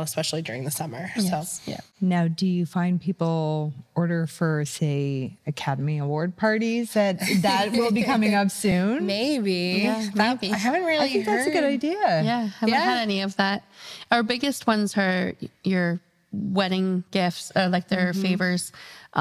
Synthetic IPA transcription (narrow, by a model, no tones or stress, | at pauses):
əspɛʃl̩ˠidʊɹɪ̃ŋðɨsʌmə˞jojæ̰naʊdɨjɨfãɪ̃npʰipl̩ˠɔɹɾə˞fə˞seɪɨkʰæɾəmiəwɔɹd̚pʰɑɹɾizðɨt̪̚ðət̚wɪlˠbikʰʌ̃mɪ̃ŋʌpsʉ̃nmeɪbijæmeɪbiaɪɦævɨ̃nɹɪlɪiɪ̃ŋk̚ðæ˞sɨɡʊɾaɪdiəjæhævəɾɛniʌvðæt̚əʊə˞bɪɡɨst̚wʌ̃nzə˞jə˞ | wɛɾɪ̃ŋɡ̥ɪftsə˞laɪk̚ðə˞feɪvə˞z̥ʔ